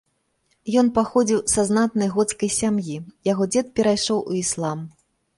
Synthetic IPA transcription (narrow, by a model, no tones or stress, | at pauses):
jɔnpaxɔd͡zʲiwsaznat̪̚nɐjɣɔt̪skɐjsʲamjijaɣɔd͡zʲɛt̪̚pʲɛɾajʂɔwʔuislˠam